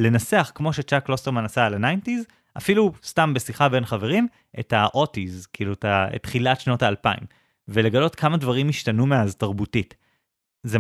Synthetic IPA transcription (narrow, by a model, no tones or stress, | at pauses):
le̞naseaχkmo̞ʃet͡ʃaklosteʁmanasalanajntiz | ʔafilustambesiχabe̞nχave̞ʁim | ʔḛtaʔo̞tizkiiluetaḛtχilatʃno̞taːlpaḭm | vele̞ɡalo̞tkʰamadvaʁimiʃtanumeaztaʁbutit | ze